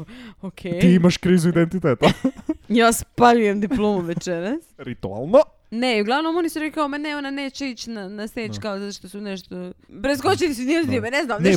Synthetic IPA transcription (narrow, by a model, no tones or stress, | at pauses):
okʰejt̪iːimaʃkɾiːzuid̪ent̪it̪eːt̪ajaːspaʎujemd̪iplˠoːmuʋet͡ʃɛɾasɾit̪ua̰lˠno | neiuɡlˠaʋnomonisuɾɛkaomeneonaneːt͡ɕeit͡ɕnanaset͡ʃkaozat̪oʃt̪osunɛʃt̪opɾes̬kot͡ʃilisunizimeneznamnɛ